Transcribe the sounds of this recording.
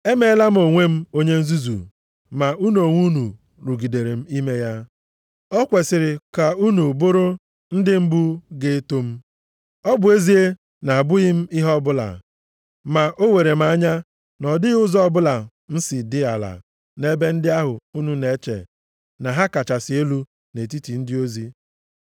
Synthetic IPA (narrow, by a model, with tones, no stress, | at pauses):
e˦me˦la˦m̩˦o˨ŋʷe˦m̩˦o˦ɲe˦n̩˦zu˦zṵ˨ | ma˨u˦no˨ŋʷu˦nu˨ | ɾu˨ɡi˨de˨ɾe˨m̩˦i˦me˦ja˦ | ɔ˦kʷe˨sɪ˨ɾɪ˨ka˨u˦nu˨bʊ˦ɾʊ˦ | n̩˦dɪ˦m̩˦bu˦ɡe˦to˦m̩˦ | ɔ˦bʊ˨e˦zi˦e˦ | na˨a˨bʊ˦ɣɪ˦m̩˦i˦ɦɔ˦bʊ˦la̰˨ | ma˨ʔo˦we˨ɾe˨m̩˦a˦ɲa˦ | nɔ˨dɪ˦ɣʊ˦zɔ˦bʊ˦la˨ | n̩˦si˨dɪ˦a˨la̰˨ | ne˦be˦n̩˦dɪ˦a˦ɦʊ˨u˦nu˦ne˨˦t͡ʃḛ˨ | na˨ɦa˦ka˨t͡ʃa˨sɪ˨e˦lu˦ | ne˨t̬i˦ti˨n̩˦dɪ˦o˦zi˦